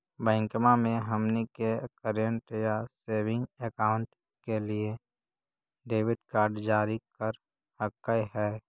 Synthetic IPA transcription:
bɛ̃ːŋkmamẽɦɐmnikekəɾjəɳʈjaseːʋɪ̃ŋɡekaːʊ̃ɳʈ | kelie | ɖeːʋɪʈkaːɾɖd͡ʒaːɾikəɾ | həkːəjɦɛː

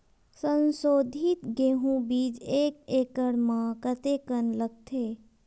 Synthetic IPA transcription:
sə̃nsoːd̪ʱit̪ɡeːɦũbiːd͡ʒeːkeːkəɽmãkət̪eːkənləɡ̚t̪ʰeː

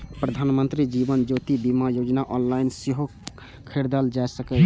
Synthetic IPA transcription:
pɾəd̪ʱanmənt̪ɾid͡ʒibənd͡ʒot̪ibimajod͡ʒnaʔɔnlainsiɦo | kʰeɾd̪ald͡ʒaesəkə

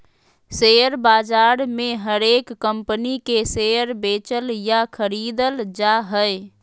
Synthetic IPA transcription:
seəɾbad͡ʒaɾmeɦəɾekːəmpənikesejəɾbet͡ʃəljakʰəɾid̪əld͡ʒaɦəj

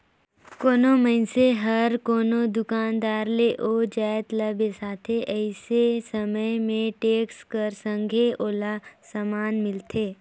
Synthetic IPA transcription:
koːnoməɪnseɦəɾkoːnod̪ʊkaːnd̪aːɾleʔod͡ʒaːt̪ləbesaːt̪ʰeʔɛɪsesəməjmẽʈeːkskəɾsə̃ŋɡʱeʔoːlasəmaːnmɪlt̪ʰeː

